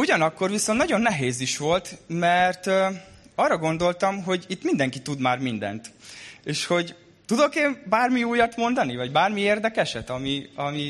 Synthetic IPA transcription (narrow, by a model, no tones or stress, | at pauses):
uɟɒnɒkːo̞rʋisont̪nɒɟo̞nːɛɦeːziʃʋo̞lt̪mɛrt̪ | ɒːrːɒɡo̞nd̪o̞lt̪ɒmɦo̞ɟit̪ːmind̪ɛŋkit̪ud̪maːrmind̪ɛ̰nt̪eːʃho̞ɟ | t̪ud̪o̞keːmbaːrmiuːjɒt̪mo̞nd̪ɒnivɒɟbaːrmieːrd̪ɛkɛʃɛt̪ɒmiɒmi